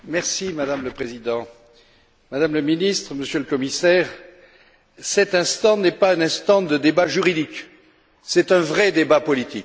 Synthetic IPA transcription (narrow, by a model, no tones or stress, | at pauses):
mɛʁsimad̪amləpχezid̪ɑ̃ | mad̪amləminist̪χəməsjøləkɔmisɛːʁ | sɛt̪ɛ̃st̪ɑ̃nɛpaɛ̃nɛ̃st̪ɑ̃d̪əd̪ebaʒyʁid̪ik | sɛt̪ɛ̃vʁɛd̪ebapɔlit̪ik